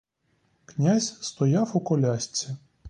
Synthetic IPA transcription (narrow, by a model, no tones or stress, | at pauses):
knʲazʲst̪ɔjawʊkɔlʲasʲt͡sʲi